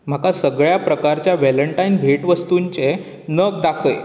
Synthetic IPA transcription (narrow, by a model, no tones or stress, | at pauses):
m̤akasəɡɭjapɾəkaɾt͡ɕjaʋɛləɳʈainbʱeʈʋəst̪uɲt͡ɕe | nəkd̪akʰəj